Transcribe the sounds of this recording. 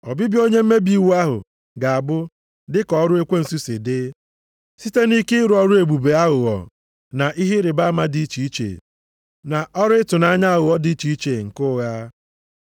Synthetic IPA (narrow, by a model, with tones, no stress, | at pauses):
ɔ˨bi˦bjo˦ɲe˦m̩˦me˦bi˦˨wu˦a˦ɦʊ̰˨ | ɡa˨a˨bʊ˦ | dɪ˦kɔ˦ɾʊ˦e˦kʷe˦n̩˨su˦sɪ˨dɪ˦ | si˦te˦ni˦kɪ˦ɪ˦ɾʊ˨˦ɔ˦ɾʊ˦e˨ɡ͡bu˨be˨a˦ɣʊ˨ɣɔ̰˨ | na˨ʔi˦ɦe˦ɾɪ˨ba˦ma˦di˦i˦t͡ʃi˨i˦t͡ʃḛ˨ | na˨ʔɔ˦ɾʊ˦ɪ˦tʊ˨na˦ɲa˦a˦ɣʊ˨ɔ˦di˦i˦t͡ʃi˨i˦t͡ʃe˨ŋ̩˨kʊ˦ɣa˦